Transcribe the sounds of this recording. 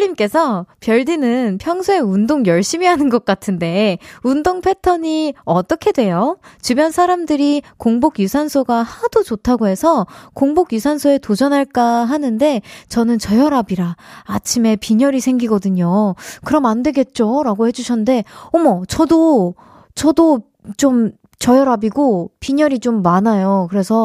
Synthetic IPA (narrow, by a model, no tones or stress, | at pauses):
ʎːimk͈e̞sʰʌpjʌɭdinɯnpʰjʌŋsʰue̞undoŋjʌɭɕ͈imiɦanɯnɡʌk̚k͈atʰɯnde̞undoŋpʰe̞tʰʌɲiʌt͈ʌkʰe̞dwe̞jot͡ɕibjʌnsʰaɾamdɯɾikoŋboɡjusʰansʰoɡahad̥od͡ʑotʰaɡoɦe̞sʰʌkoŋboɡjusʰansʰoe̞tod͡ʑʌnɦaɭk͈aɦanɯnde̞t͡ɕʌnɯnt͡ɕʌjʌɾabiɾaːt͡ɕʰime̞piɲʌɾisʰe̞ŋɡiɡʌdɯɲokɯɾʌmandweɡe̞t̚t͡ɕ͈oɾaɡohe̞d͡ʑuɕʰʌnnde̞ʌmʌt͡ɕʌdo | t͡ɕʌdo | t͡ɕom | t͡ɕʌjʌɾabiɡopiɲʌɾit͡ɕomːanajokɯɾe̞sʰʌ